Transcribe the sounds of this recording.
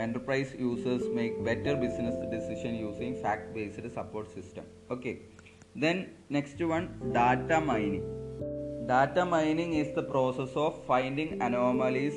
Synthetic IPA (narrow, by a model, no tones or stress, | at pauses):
ẽɳʈəɾpɾaɪsjuːsesmeːk̚beʈəɾbisnesɖisiʃɐ̃njuːsĩŋfæːk̚ʈbeːsɨʈ̪sɐpoːɾʈsisʈɐ̰̃m | oːke | d̪ẽn | neksʈʋɐ̃nɖaːʈamaɪnĩŋ | ɖaːʈamãɪnĩŋisd̪əpɾoːsesɔːʋfãɪnɖĩŋɐnɔːmɐlis